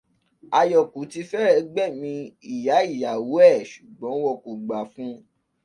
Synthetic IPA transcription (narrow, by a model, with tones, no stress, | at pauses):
a˨jɔ˨ku˨ti˧˦fɛ˦ɛ˧ɡ͡bɛ˦˨mĩ˧i˨ja˨˦i˦˨ja˨wo˨˦ɛ˦˨ʃu˨ɡ͡bɔ̃˨˦wɔ˧ko˨ɡ͡ba˨fũ˦